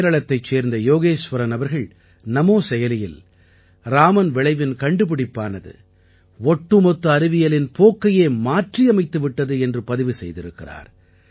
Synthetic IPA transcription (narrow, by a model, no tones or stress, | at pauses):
ɾɐɭɐt̪ːɐɪt͡ʃːeːɾnd̪ɐjoːɣeːʂʋɐɾɐnɐʋɐɾɣɐɭ | nɐmoːsɛjɐlɪjɪl | ɾaːmɐnʋɪɭɐɪʋɪnkɐɳɖɯpɪɽɪpːaːnɐðɯ̰ | ɔʈːɯmɔt̪ːɐɐɾɯʋɪjɐlɪnpoːkːɐjeːmaːʈrijɐmɐɪt̪ːɯʋɪʈːɐðɯɛndrɯpɐðɪʋɯsɛjðɪɾɯkːɪra̰ːɾ